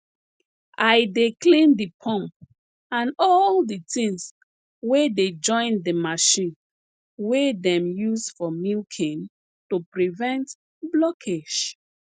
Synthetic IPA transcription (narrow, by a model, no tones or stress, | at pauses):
ajdeklĩndipʰɔ̃mp | ãnɔlditĩŋs | weded͡ʒɔ̃ɪ̃ndəmaʃĩn | wedɛ̃mjusfɔmilkʰĩn | tupɹivɛ̃nt | blɔkʰeʃ